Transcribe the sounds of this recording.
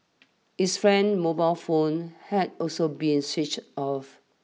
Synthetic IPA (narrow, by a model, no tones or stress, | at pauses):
hisfɹɛ̃nmobaɪlfõnhɛdɔlsobĩnsit͡ʃɔf